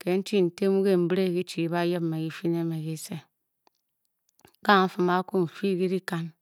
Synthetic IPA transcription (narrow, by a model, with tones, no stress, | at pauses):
ke˨˦n̩˦t͡ʃi˦˨n̩˨te˦mu˦ke˦˨m̩˦bɾe˦˨ki˦t͡ʃi˨˦ba˦je˦bme˨ɡi˦fi˦ne˦me˨ki˦se˦ | ka˦˨˦fu˦ma˦ku˦˨fi˦ɡi˦ɾi˦ka˦n